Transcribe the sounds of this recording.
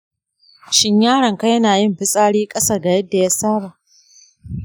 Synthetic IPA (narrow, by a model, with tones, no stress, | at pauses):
ʃɪ˦ɲjaː˦ɽɐ˨ŋka˦jɐ˦naː˨jɪ˦mɸɪ˦sʼaː˦ɽiː˦kʼɐ˦sɐ˦˨rɡa˨jɐ˦dːa˨ja˦saː˦ɽa˨ʔ